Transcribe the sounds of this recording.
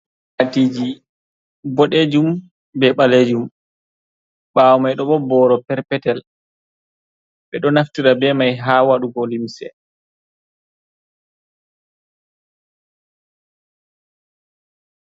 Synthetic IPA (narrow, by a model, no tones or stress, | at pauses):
atiːd͡ʒi | bɔɗed͡ʒum | bɛɓaled͡ʒum | ɓawmajɗɔɓɔbɔɾɔpɛɾpɛtɛl | ɓɛɗɔnaftiɾabɛmajɦawaɗuɡɔlimsɛ̰